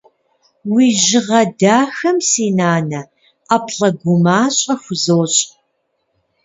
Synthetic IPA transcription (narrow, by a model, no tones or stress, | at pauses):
wiːʑɪʁɐdaːxɐmsiːnaːnɐ | aːpʰɬɐɡʷʊmaːɕʼɐxʷʊzoːɕʼ